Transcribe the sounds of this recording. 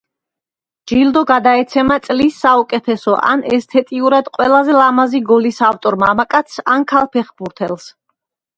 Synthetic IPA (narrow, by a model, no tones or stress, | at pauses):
d͡ʒild̪ɔɡad̪aɛt̪sʰɛmat̪sʼlisːaukʼɛt̪ʰɛsɔʔa̰nɛst̪ʰɛt̪ʼiuɾad̪qʼwɛlˠazɛlamaziɡɔlisaft̪ʼɔɾmamakʼat̪sankʰalˠpʰɛχbuɾt̪ʰɛlˠs